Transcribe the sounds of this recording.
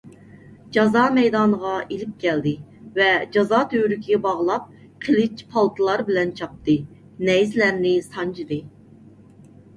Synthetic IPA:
d͡ʒɑzɑːmɛjd̪ɑːnəʁɑʔelɪp̚kʲʰɛld̪ɪvɛd͡ʒɑzɑt̪ʰøɾykʲʰiɡʲɛbɑʁlˠɑp̚ | qʰelɪt͡ʃpʰɑlˠt̪ʰɨlˠɑɾbɪlɛnt͡ʃʰɑp̚t̪ɨ | nɛjzlæɾnɪsɑnt͡ʃʰɨd̪ɨ

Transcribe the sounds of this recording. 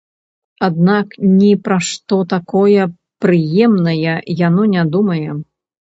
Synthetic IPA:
ad̪naknʲipɾaʂt̪ɔt̪akɔjɐ | pɾɨjɛmnɐjɐjanɔnʲad̪umɐjɛ

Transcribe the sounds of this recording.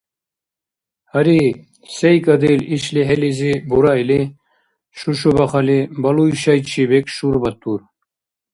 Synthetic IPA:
hɐɾi | sejkɐd̪eliɕliɦelizibuɾaili | ʃuʃubɐχɐlibɐlujʃɐjɕibekʃuɾbɐt̪ːuɾ

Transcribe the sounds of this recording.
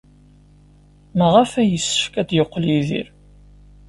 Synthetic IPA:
məʁafæjəsːə̥fkæd̪jəqːliðḭɾ

